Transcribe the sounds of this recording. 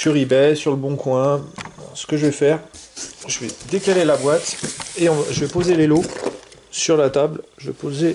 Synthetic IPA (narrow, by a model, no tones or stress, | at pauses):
ʃyʁibɛsyʁləbɔ̃kwɛ̃sə̥kəʒəvɛfɛːʁʒəvɛd̪ekalelabwat̪eɔ̃ʒəvɛpozelelo | syʁlat̪ablʒəvɛ̰poze